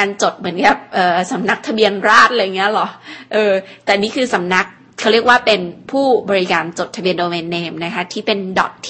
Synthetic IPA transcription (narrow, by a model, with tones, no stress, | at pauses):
aː˧nt͡ɕo˨˩t̪̚mɯ˩˦ənka˨˩p̚ʔɤː˨˩sa˩˦mna˦˥k̚t̪ʰa˧bi˧ənɾaː˥˩t̪̚la˧ja˨˩ŋːi˦˥ɐlɔ˨˩˦ʔɤː˧t̪ɛː˨˩niː˦˥kʰɯː˧sa˩˦mna˦˥k̚ | kʰɾi˥˩ək̚waː˥˩pe˧npʰuː˥˩bɔː˧ɾi˦˥kaː˧nt͡ɕo˨˩t̪ʰːa˧bi˧əndoː˧weː˧nːeː˧mna˦˥kʰa˦˥t̪ʰiː˥˩pe˧ndɔ̰˨˩t̪̚ʰː